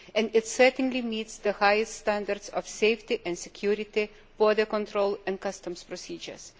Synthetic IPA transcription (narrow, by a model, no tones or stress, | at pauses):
ɛ̃ndɪtsɛ˞tn̩limiːtsðəhajɨststæ̃nd̪əɾdsɔfseɪftiʔɛ̃nsɪkʰjuɾɪt̪i | b̥ɔd̪əkɔ̃ntɾoʊlˠɛ̃n̚kʌstə̃mspɹɔsiːd͡ʒə̰˞s